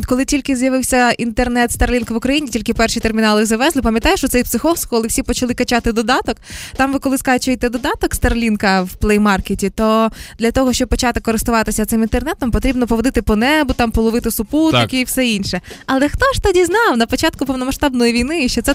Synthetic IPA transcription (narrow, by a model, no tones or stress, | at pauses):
kɔlˠɪtʲilʲkɪzʲjɐʋɪwsʲɐint̪ernɛt̪st̪ɐrlʲinkʋʊkɾɐjinʲitʲilʲkɪpɛrʃit̪ermʲinɑlˠɪzɐʋɛzlˠɪpɐmjɐt̪ɑjʊʃt͡ʃɔt̪ɛjpsɪxɔwskkɔlˠɪwsʲipɔt͡ʃɐlˠɪkɐt͡ʃɑt̪ɪd̪ɔd̪ɑt̪ɔkt̪ɑmʋɪkɔlˠɪskaʒɪt͡ʃɔjt̪ɛd̪ɔd̪ɑt̪ɔkst̪ɐrlʲinkɐwplˠɛjmɑrketʲit̪ɔd̪lʲɐt̪ɔɦɔʃt͡ʃɔb̚pːɔt͡ʃɑt̪ɪkɔɾɪst̪ʊʋɑt̪ɪsʲɐt̪sɪmint̪ernɛt̪ːɔmpɔt̪ɾʲibnɔpɔʋɔd̪ɪt̪ɪpɔnɛbʊt̪ɑmpɔlˠɔʋɪt̪ɪsʊput̪ɐkʲiifsɛinʃɛɐlˠɛxt̪ɔʃt̪ɐdʲiznɑwnɐpɔt͡ʃɑt̪kʊpɔwnɔmɐʃt̪ɑbnɔjiʋʲijnɪiʃt͡ʃːɛt̪sɛ